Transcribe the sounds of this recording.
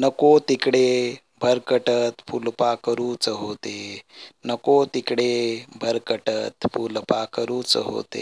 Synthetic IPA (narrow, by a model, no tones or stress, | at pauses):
nəkot̪ikɽe | bʱəɾkəʈət̪pulpakəɾuːt͡səɦot̪enəkot̪ikɽebʱəɾkəʈət̪pʰulpakəɾuːt͡sə̰ɦo̰t̪ḛ